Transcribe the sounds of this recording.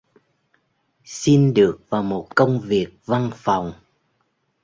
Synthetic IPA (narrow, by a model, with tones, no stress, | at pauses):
si˧nɗɨ˨˩ək̚vaː˨˩wmo˨˩t̚kə˧wŋ͡mvi˨˩ək̚va˧nfa˨˩wŋ͡m